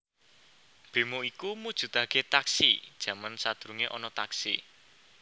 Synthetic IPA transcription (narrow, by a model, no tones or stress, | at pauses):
b̥e̤moikumud̥ʒ̥ṳt̪aket̪aksḭd̥ʒ̥ä̤mansad̪̥ɾuŋeʔɔnɔt̪aksḭ